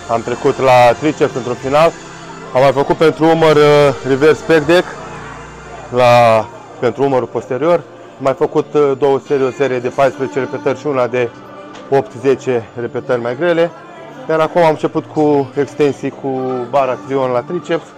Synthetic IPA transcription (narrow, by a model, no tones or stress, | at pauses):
amt̪ɾe̞kut̪lat̪ɾit͡ʃefɨnt̪ɾunfinal | amːajfəkut̪̚pe̞nt̪ɾuumərrive̞rspekd̪ek | la | pe̞nt̪ɾuuməɾupo̞st̪e̞ɾio̞r | amːajfəkut̪d̪o̞wəse̞ɾio̞se̞ɾije̞d̪e̞pajspɾəzet͡ʃe̞ɾe̞pe̞t̪ərʲʃiunad̪e̞ | o̞pt̪ze̞t͡ʃe̞re̞pe̞t̪ərʲmajɡɾe̞le̞ | jaɾakumamɨnt͡ʃe̞put̪kʰue̞kst̪e̞nsijkʰubaɾat̪ɾio̞nlat̪ɾit͡ʃepf